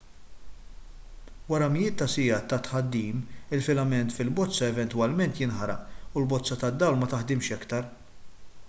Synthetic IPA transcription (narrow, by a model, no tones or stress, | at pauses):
wɐɾɐmɪjɪːt̪ːɐsɪjɐːt̪ːɐt̪ħɐd̪ːiːmɪlfɪlɐmɛnt̪fɪlbɔt͡sːɐɛvɛnt̪wɐlmɛnt̪jɪnħɐɾɐ̰ʔulbɔt͡sːɐt̪ɐd̪ːɐwlmɐt̪ɐħd̪ɪmʃɛkt̪ɐɾ